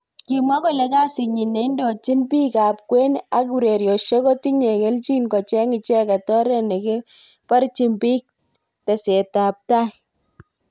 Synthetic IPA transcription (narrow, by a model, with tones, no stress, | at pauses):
ki˨ma˦kɔ˦˨le˨˦ka˦sɪ˨ɲi˨ne˨˦ndo˨t͡ʃi˦npi˦ka˨p̚kwe˦na˦ku˨ɾe˨ɾjɔ˨ʃe˦kɔ˦ti˦ɲe˨ke˦lt͡ʃi˦nkɔ˨t͡ʃɛ˦ŋɪ˨t͡ʃɛ˦ka˨tɔ˦ɾɛ˦ne˨ke˦ | pa˦ɾt͡ʃi˨mpi˦k̚ | tɛ˨se˨ta˨p̚ta˦